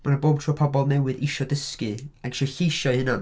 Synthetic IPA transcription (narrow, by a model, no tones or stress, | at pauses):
manəboːb̚tʰruːpʰɔbɔlˠnɛwɨðɪʃɔdəskɨanʃɔɬejʃɔhɨnan